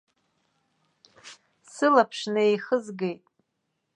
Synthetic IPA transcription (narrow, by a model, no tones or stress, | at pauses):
sɨlapʰʂnɨejχəzɡe̞jtʼ